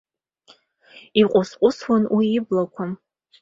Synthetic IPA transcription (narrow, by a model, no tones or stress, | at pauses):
iqʷʼʊsqʷʼʊswanwiːblakʷʰa